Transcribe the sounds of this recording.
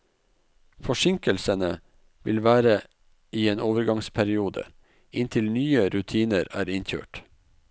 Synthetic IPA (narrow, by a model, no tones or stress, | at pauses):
fɔʃɪŋkəlsənə | ʋɪlʋæːɾə | iːeːnoːʋəɾɡɑŋspʰæɾɪuːd̪ə̰ | ɪnt̪ʰɪlnyːəɾʉt̪ʰiːnəɾæːɾɪnçø̰ːʈ